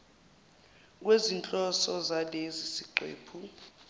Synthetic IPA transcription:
k̬wezint͡ɬʼɔsɔzalezisiǃwḛːpʰu

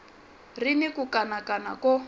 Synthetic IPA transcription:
rinikukʼanakana̰kɔ

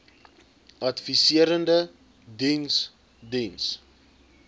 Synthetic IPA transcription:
ʔɐtfisiəɾəndə | dins | dins

